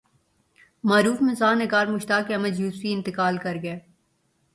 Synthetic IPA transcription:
maːɾuːfmɪzaːnːɪɡaːɾmʊʃt̪aːkːeɐməd͡ʒjuːsfiɪ̃nt̪ɪkaːlkɐɾɡɐeː

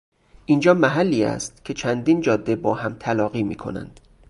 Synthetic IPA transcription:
ʔind͡ʒɒːmæɦælːiːæ̰st̪cʲʰe̞t͡ʃʰænd̪iːnd͡ʒɒːd̪ːebɒːhæmt̪ʰælɒːɣiːmiːkʰo̰næ̰nd̪̥

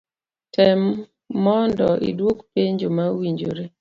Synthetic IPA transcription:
tʰɛmː | ɔndɔʔḭdwokpeɲd͡ʒomawiɲd͡ʒo̰ɾe

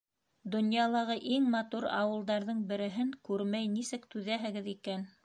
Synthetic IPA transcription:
d̪ŏnjɑlˠɑʁɤʔiŋmɑt̪uɾɑ̰wɤ̆lˠd̪ɑɾðɤɴbɘ̆ɾɘ̆ɦɘŋkʉɾmæjnisɘkt̪ʉðæɦɘ̆ɡɘðikæn

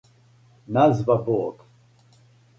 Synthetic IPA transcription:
nazvabɔːk

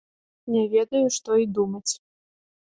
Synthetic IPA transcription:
nʲɛvʲɛd̪ɐjuʂt̪ɔid̪umɐt͡sʲ

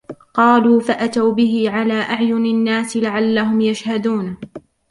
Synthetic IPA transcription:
qɑːluːfaʔat̪awbɪhɪʕalaːʔaʕjʊnanːaːsɪlaʕalːaɦʊmjaʃhad̪uːn

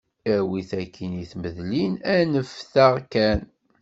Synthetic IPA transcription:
æwiθækʰːiniθməðlinænəfθaʁkæn

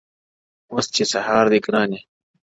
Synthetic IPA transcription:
ost͡ɕesɐhaːɾd̪ikɾaːne

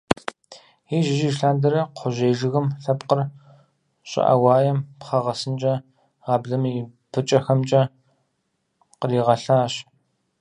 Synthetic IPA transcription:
iːʒɪʒiːʃɬaːndɐɾɐqʷʰʊʑʷeːʒɨɣɨmɬɐpqər | ɕʼɪ̰ʔɐ̰wɑːjɛmpχɐʁɐsɨnt͡ʃʼɐ | ʁɑːbɮɐmipʰɨt͡ʃʼɐxɐmt͡ʃʼɐ | qəriːʁɐɬaːɕ

